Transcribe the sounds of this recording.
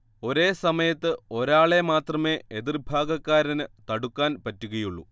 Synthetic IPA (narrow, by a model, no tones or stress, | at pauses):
o̞ɾe̞ːsɐmɐjɐt̪ːɨo̞ɾaːɭe̞maːt̪rɐme̞ːeðirbʱaːɡɐkːaːɾɐnɨt̪ɐɽukːaːnpɐtːuɣɐjuɭːu